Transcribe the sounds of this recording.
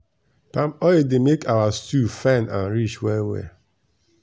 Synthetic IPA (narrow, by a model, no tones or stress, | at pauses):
pãmɔedemekʰawastufanãnɾit͡ʃwɛwḛ